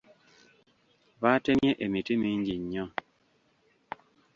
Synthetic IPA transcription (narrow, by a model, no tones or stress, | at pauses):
βatemjeʔemitemiɲd͡ʒiɲːɔ